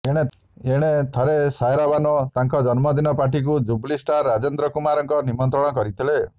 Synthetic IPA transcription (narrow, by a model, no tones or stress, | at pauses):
ẽe | eɽ̃et̪ʰɔɾesajɾabanɔt̪aŋkɔd͡ʒɔnmɔd̪inɔpaʈ̬ik̬ud͡ʒublisʈaɾːad͡ʒend̪ɾɔkumaɾɔŋkɔnimɔnt̪ɾɔɽ̃ɔkɔɾit̪ʰile